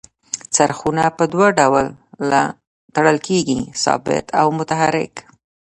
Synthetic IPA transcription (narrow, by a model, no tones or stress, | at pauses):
t͡saɾxunapəd̪waɖawəlːa | t̪aɽəlkʰeɡisɑ̰bɪ̰t̪ʰawmʊt̪aɦaɾɪ̰k